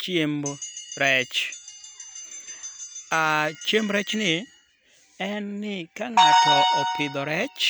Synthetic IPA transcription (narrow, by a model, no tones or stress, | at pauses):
t͡ʃemɾɛt͡ʃ | at͡ʃemɾɛt͡ʃnɪ | ɛnːɪkaŋatɔʔɔpɪd̪ɔɾɛt͡ʃ